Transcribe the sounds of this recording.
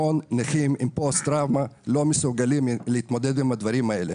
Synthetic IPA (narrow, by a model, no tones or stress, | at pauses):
onːeχimimpost̪ɾavmalo̞mesuɡalimleit̪mo̞d̪ed̪imad̪vaɾimaele